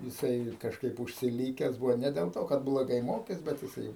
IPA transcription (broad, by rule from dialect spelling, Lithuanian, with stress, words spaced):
jɪˈsɐɪ kɐʃˈkɐɪp ʊʃʲsʲɪˈlʲiːkʲɛs ˈbuːʋoː nʲɛ dʲɛlˠ ˈtoː kɐt blˠoːˈɡɐɪ ˈmoːkʲeːs ˈbʲɛt jɪˈsɐɪ